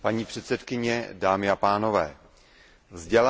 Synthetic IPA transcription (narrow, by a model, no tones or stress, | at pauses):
paɲiːpr̥ɛt̪sɛt̪kɪɲɛdaːmɪapaːno̞vɛː | vzɟɛla